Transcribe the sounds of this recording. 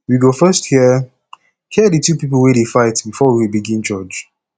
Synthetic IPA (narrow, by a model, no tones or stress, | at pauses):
wiɡofɜsthiə | hiədətʰupipəl̩ˠweɾefaɪtbifɔwiwibiɡĩnd͡ʒɔd͡ʒ